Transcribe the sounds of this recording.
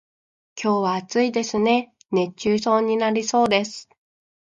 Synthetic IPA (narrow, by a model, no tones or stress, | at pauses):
kʲʰo̞ːβaːt͡sɨid̪e̞sɨne̞ | ne̞t͡ɕːɨːso̞ːɲ̟inaɾʲiso̞ːd̪e̞sɨ̥